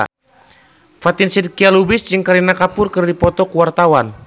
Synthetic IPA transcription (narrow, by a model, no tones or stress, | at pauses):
fat̪ɪnsidkialubɪsd͡ʒɨŋkaɾinakapʊrkɨrdipɔt̪ɔkuwart̪awan